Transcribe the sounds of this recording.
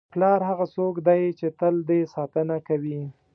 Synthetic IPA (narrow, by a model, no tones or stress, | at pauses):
plɑɾɦaɣasokd̪ajt͡ʃet̪əld̪esɑt̪ənakawi